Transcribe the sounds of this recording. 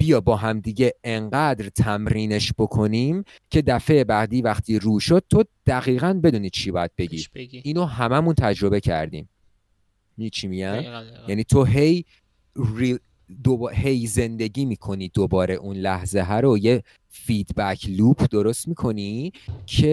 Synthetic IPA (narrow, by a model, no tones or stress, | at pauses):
b̥ijɒːbɒːɦæmd̪iːɟe̞eŋɢæːd̪ɾt̪ʰæmɾiːne̞ʃb̥o̞kʰo̞niːm | cʰe̞d̪æfe̞jebæɣd̪iːvæχt̪ʰiːɾuːʃod̪̥̚t̪ʰod̪̥æɣiːɣænbe̞d̪uːniːt͡ʃʰiːbɒːjæd̪̚be̞ɟiiːnoɦæmæmunt̪ʰæd͡ʒɾo̞be̞cʰæ̰ɾd̪ḭːm | mit͡ʃʰimiɟænjæniːt̪ʰo̞ɦe̞j | ri | d̪obhejze̞nd̪e̞ɟiːmiːkʰo̞niːd̪obɒːɾe̞ʔunlæhzeɦæɾoje̞ | fiːd̪bæcʰluːpʰd̪o̞ɾost̪miːkʰo̞niːcʰe̞